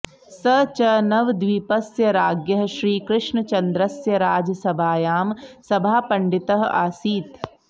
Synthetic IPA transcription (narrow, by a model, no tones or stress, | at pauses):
sɐt͡ʃɐnɐʋd̪ʋiːpɐsjɐɾaːɡjɐɦʃɾiːkɾɪʃɳət͡ʃɐnd̪ɾɐsjɐɾaːd͡ʒɐsɐbʱaːjaːmsɐbʱaːpɐɳɖɪt̪ɐɦa̰ːsiːt̪